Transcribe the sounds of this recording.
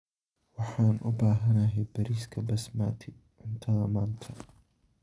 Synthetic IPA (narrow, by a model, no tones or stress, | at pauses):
wɑħaːnʔʊbaːɦɐnɐɦɛjbɐɾiːskʰɐbɐsmaːt̪ʰɪ | ʕɪnt̪ʰɐðɐmaːnt̪ʰɐ